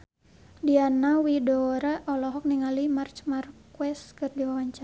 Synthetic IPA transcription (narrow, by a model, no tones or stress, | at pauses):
dianawidɔɾaʔɔlɔɦɔk̚niŋalimart͡ʃmarkwɛskɨrdiwawaɲt͡ʃa